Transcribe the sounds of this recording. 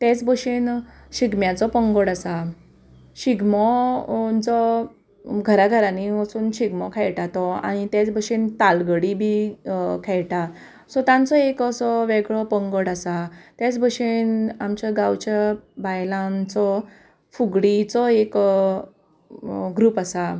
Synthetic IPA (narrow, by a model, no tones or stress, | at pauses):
t̪ɛt͡sbəɕen | ɕiɡmjãt͡sɔpəŋɡɔɽasa | ɕiɡmɔ | t͡sɔ | ɡʱəɾaɡʱəɾaniməsuːnɕiɡmɔkʰɛɭʈat̪ɔa̰ɽ̃it̪jet͡sbəɕint̪alɡəɽibʱikʰɛɭʈa | sɔt̪ãnt͡sɔekəsɔʋeɡɭɔpəŋɡoɽasat̪jat͡sbʱəʂenamt͡ɕaɡãwt͡ɕabajlãnt͡sɔ | fuɡɽit͡sɔek | ɡɾuːpasa